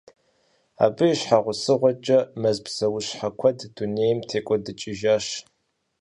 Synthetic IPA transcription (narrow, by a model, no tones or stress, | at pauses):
a̰ːbɨiɕħaʁʷʊsɨʁʷɔt͡ʃʼɐmɐzbz̥ɐwʊɕħakʷʰɐdduneːjmtʰeːkʷʼɔdɨt͡ʃʼɪʒaʃ